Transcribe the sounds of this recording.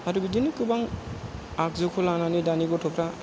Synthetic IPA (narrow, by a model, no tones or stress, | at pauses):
aduɡidinikɯbaŋ | ak̚zukʰɔlananidaniɡɔtʰɔpʰɾa